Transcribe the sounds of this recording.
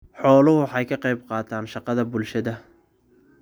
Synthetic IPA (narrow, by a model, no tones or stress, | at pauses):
ħɔːlʊɦʊħɑjkʰɐqɑjbqɑːt̪ʰaːnʃɑqɑðɐbʊlʃɐðɐ